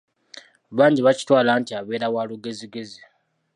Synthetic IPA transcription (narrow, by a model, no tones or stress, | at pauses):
βaːɲɟiβaci̥twaːlaːntiaβe̞ːɾawaːluɡe̞ziɡe̞zi